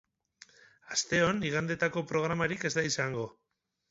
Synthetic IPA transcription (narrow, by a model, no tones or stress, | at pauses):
ast̪e̞o̞niɣand̪e̞t̪ako̞pɾo̞ɣ̞ɾamaɾike̞zd̪aisaŋɡo̞